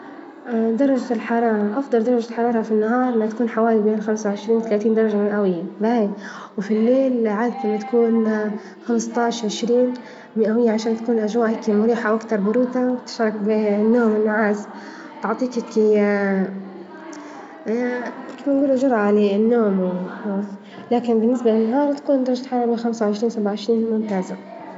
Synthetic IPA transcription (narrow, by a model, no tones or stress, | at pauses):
ʔad̪ɑɾˤɑd͡ʒalħɑɾˤɑːɾˤɑʔɑfd̪ˤɑld̪ɑɾˤɑd͡ʒalħɑɾˤɑːɾˤɑfinːaɦɑːɾˤʔɪnhat̪akuːnħawaːlibeːnxamsawʕɪʃɾiːnwɪt̪alaːt̪iːnd̪ɑɾˤɑd͡ʒamɪʔawɪjːabai | wfilːeːlʕad̪t̪ɪnːat̪ḁkuːn | xamɪst̪ˤɑːʕʃʕɪʃɾiːn | mɪʔawɪjːaʕaʃaːnt̪akuːnʔad͡ʒwaːʔkimʊɾiːħawʔakt̪ɑɾˤbʊɾuːt̪abt̪ɪ̥ʃɾˤɑkbɪnːoːmɪnːʊʕaːz | t̪ʊʕt̪ˤiːkɪki | kamːanɡuːlad͡ʒɑɾˤʔalɪnːoːmwɪ | laːkɪnbɪnːɪsbalɪnːaɦɑːɾˤt̪ḁkuːnd̪ɑɾˤɑd͡ʒat̪ħɑrˤːɑmɪxamsawʕɪʃɾiːnsabʕaʕɪʃɾiːnmʊmt̪aːza